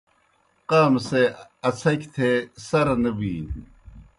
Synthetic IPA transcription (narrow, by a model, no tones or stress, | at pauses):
qaːmseɐt͡sʰɐkt̪ʰeːsɐɾnɐbiːn